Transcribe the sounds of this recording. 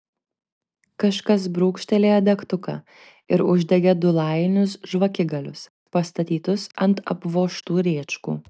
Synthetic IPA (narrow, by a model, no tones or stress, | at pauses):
kɐʃkɐs̬bɾuːkʃʲt̪ʲɛlʲeːɐd̪ʲɛkt̪ʊkɐ̰ | ɪɾʊʒʲd̪ʲɛɡʲɛd̪ʊlˠɑˑɪnʲʊs̬ʒʋɐkʲɪɡɐlʲʊs | pɐst̪ɐt̪ʲiːt̪ʊsɐnt̪ɐ̰pʋoːʃt̪uːɾʲeːt͡ʃkṵː